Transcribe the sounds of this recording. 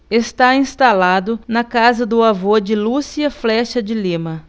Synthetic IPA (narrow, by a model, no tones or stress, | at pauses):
est̪aĩst̪alad̪ʊnɐkazɐd̪ʊavod͡ʒɪlusiɐflɛʃɐd͡ʒɪlĩmɐ